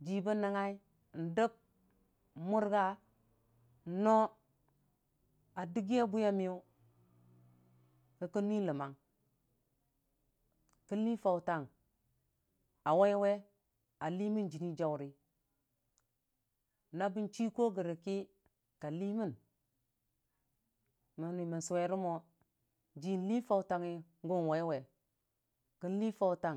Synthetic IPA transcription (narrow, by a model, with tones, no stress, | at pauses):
d͡ʒi˨bə˦nːa˨ŋa˦i˦˨ | n̩˨də˦b̚ | mu˦ɾɡa˦˨˦ | no˦ | a˨di˦ɡi˦a˦bu˦ja˦mi˦ju˦ | kə˨kə˦n˦i˦lə˨ma˨ŋ | ki˦li˦fa˨wta˨ŋ | a˨wa˦jwe˦ | a˨li˦mi˦nd͡ʒi˨ni˦d͡ʒa˨wu˨ɾi˦ | na˦bi˦nt͡ʃi˦ko˦ɡi˨ɾi˨ki˦ | ka˨li˦mi˦˨n | mi˨ni˨mi˨n˨su˨we˨ɾi˦mo˦ | d͡ʒi˦n˦li˦fa˨wta˨ŋi˦ŋ˦ɡu˦n˨wa˨i˦we˨ | ki˦li˦fa˨wta˦˨ŋ